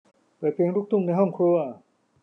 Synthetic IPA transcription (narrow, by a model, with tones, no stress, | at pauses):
pɤː˨˩pʰi˧ŋɾuː˥˩k̚t̪ʰu˥˩ŋna˧˩ɦɔ˥˩ŋkʰɾu˧˥ɐ